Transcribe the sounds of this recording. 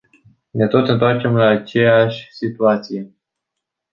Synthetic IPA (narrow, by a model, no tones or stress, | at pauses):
ne̞t̪o̞t̪ɨnt̪oart͡ʃe̞mlaːt͡ʃe̞jaʃʲsit̪uat̪sije̞